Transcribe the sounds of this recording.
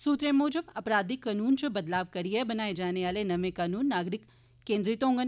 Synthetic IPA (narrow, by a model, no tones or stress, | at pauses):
suːt̪ɾẽmoːd͡ʒəbɐpɾaːd̪ikːɐnuːnt͡ʃɐbɐd̪laːʋkɐɾiebɐnaːed͡ʒaːneʋaːlenɐmẽkaːnuːnːaːɡɾɪkː | ẽːnd̪ɾɪt̪õːŋɡən